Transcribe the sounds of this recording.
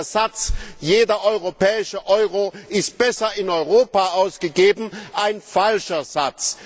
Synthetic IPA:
zat͡sjeːdɐʔɔʏʁopɛːɪʃəʔɔʏʁoɪst̚b̥ɛsɐɪnɔʏʁoːpaʔaʊsɡ̥əɡeːbm̩ʔaɪnfalʃɐzat͡s

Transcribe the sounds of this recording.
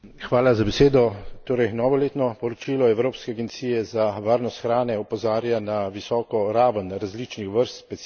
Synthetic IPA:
xʋaːlazabɛseːd̪ɔt̪oːɾɛjnɔːʋɔleːt̪nɔpɔɾɔt͡ʃiːlɔɛwɾoːpskɛaɡɛnt̪siːjɛzaʋaːɾnɔst̪xɾaːnɛɔpɔzaːɾjanaʋisɔːkɔɾaːʋənɾazlit͡ʃnixʋəɾst̪pɛ

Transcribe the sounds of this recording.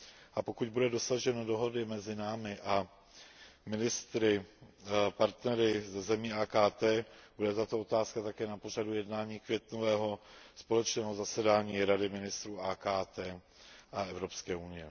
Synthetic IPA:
ʔapo̞kuc̚budɛdo̞saʒɛnodo̞ɦo̞dɪmɛzɪnaːmɪʔa | mɪnɪst̪ɾɪ | paɾt̪nɛɾɪzɛzɛmiːʔaːkaːt̪ɛːb̥udɛt̪at̪o̞o̞t̪aːskat̪akɛːnapo̞radujɛdnaːɲiːkvjɛt̪novɛːɦo̞spo̞lɛt͡ʃnɛːɦo̞zasɛdaːɲiːɾadɪmɪnɪst̪ɾuːaːkaːt̪ɛː | ʔaɛvɾo̞pskɛːʔunɪjɛ

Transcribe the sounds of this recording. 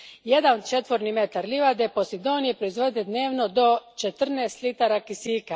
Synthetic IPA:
je̞d̪ant͡ʃet̪ʋo̞ɾnime̞t̪aɾliʋad̪e̞po̞sid̪oːnjepɾo̞izʋo̞d̪d̪ed̪ne̞ːʋnod̪o̞t͡ʃet̪r̩neːst̪lit̪aɾakisiːka

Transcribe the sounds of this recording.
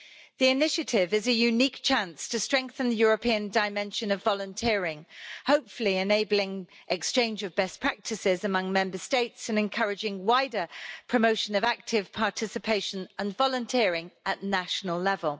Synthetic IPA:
ðiɪnɪʃətʰɪvɪzəjʉniˑk̚t͡ʃʰæ̃nstʰəstɹ̥ɛ̃ŋk̚θə̃nðəjɔːɹəpʰiə̃ndaɪmɛ̃nʃə̃nəvɒlə̃ntʰɪəɹɪ̃ŋhoʊpfəliɪneɪblɪ̃ŋ | ʔɛkst͡ʃʰẽɪ̃nd͡ʒəvbɛspʰɹ̥ak̚tʰɪsɪzəmʌ̃ŋmɛ̃mbəsteɪtsɪ̃nɨ̃nkʰʌɹɪd͡ʒɪ̃ŋwaɪdəpʰɹ̥əmoʊʃə̃nəvak̚tʰɪv̥pʰɑˑtʰɪsɪpʰeɪʃə̃nə̃nvɒlə̃ntʰɪəɹɪ̃ŋəʔnaʃənəlˠlɛvəlˠ

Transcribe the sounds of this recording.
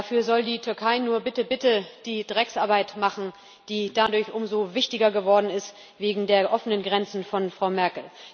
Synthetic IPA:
afyːɐzɔldiːtʰʏɐkʰaɪnuːɐbɪtəbɪtəd̥iːdʁɛksʔaːɐbaɪtmaχn̩ | d̥iːd̥adʊɐçʔʊmzovɪçtɪɡɐɡəvɔɐdn̩ɪst | veːɡŋ̩deːɐʔɔfənənɡʁɛnt͡sn̩fɔnfʁ̥aʊmɛɐkl̩

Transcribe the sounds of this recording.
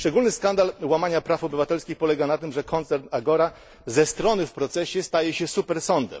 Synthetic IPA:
ʂt͡ʂɛɡulnɘskand̪alwamaɲapɾafɔbɘvat̪ɛlskʲixpɔlɛɡanat̪ɘmʐɛkʰɔnt̪sɛɾnaɡɔɾa | zɛst̪ɾɔnɘfpɾɔt̪sɛɕɛst̪ajɛɕɛsupɛɾsɔnd̪ɛ̰m

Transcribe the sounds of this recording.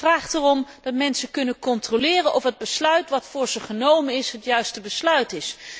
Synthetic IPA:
fraːχtərɔmdɑtmɛnsəkɵnəkɔntrolɪːrənʔɔfɦəd̚bəslœɥtʋɑtfʊːɹzəχənowmənɪsɦətjœɥstəbəslœɥtɪs

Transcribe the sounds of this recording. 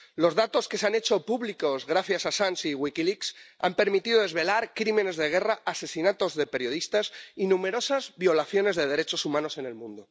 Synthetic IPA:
lo̞zðat̪o̞ske̞seane̞t͡ʃo̞puβliko̞zɣɾaθjasasansiɣwikiliksa̰mpe̞ɾmit̪iðoðe̞zβe̞laɾkɾimẽ̞ne̞zðe̞ɣ̞e̞raʔase̞sinat̪o̞zðe̞pe̞ɾjo̞ð̞ist̪asinũme̞ɾo̞sazβjo̞laθjo̞ne̞zðe̞ð̞e̞ɾet͡ʃo̞sumãno̞se̞ne̞lmũnd̪o

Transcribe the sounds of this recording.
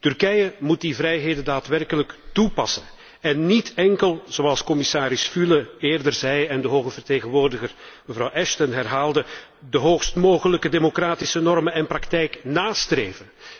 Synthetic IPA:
tyrkɛjəmut̚divrɛjɦeːdəndaːtʋɛrkələktupɑ̰sən | ɛnːitɛŋkəlˠz̥oɑlˠskɔmɪsaːɾɪsfyləeːrdərzɛjɛndəɦoːɣəvərteːɣənʋoːrdəɣərməvrɑwʔɛʃtənɦɛrɦaːlˠdə | dəɦoːxstmoːɣələkədemokraːtisənɔrmənɛnprɑktɛjknaːstreːvən

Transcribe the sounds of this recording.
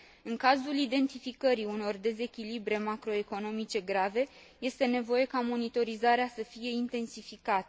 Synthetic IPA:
ɨŋkazulid̪e̞nt̪ifikəɾiuno̞rd̪e̞ze̞kʲilibɾe̞makɾo̞e̞ko̞no̞mit͡ʃe̞ɡɾave̞ | je̞st̪e̞ne̞vo̞je̞kamo̞nit̪o̞ɾizaɾeasəfije̞int̪e̞nsifikat̪ə

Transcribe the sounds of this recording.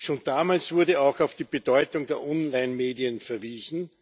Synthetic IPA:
ʃoːnd̥aːmaːlsv̥ʊɐdəaʊxɑʊfd̥iːb̥əd̥ɔʏtʊŋd̥eːɐʔɔnlaɪnmeːdiənfɛɐviːzn̩

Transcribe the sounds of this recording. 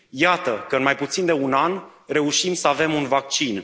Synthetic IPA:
jat̪əkəɨnmajput̪sind̪e̞unanre̞uʃimsəave̞munvak̚t͡ʃin

